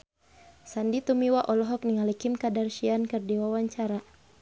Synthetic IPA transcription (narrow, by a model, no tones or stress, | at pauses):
sandit̪umiwaʔɔlɔɦɔk̚niŋalikimkadarʃiankɨrdiwawaɲt͡ʃaɾa